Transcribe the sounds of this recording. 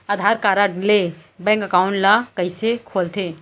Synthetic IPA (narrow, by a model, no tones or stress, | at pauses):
əd̪ʱaɾkaɾaɖlebɛ̃ŋkkawɳɖlakəɪsekʰolt̪ʰe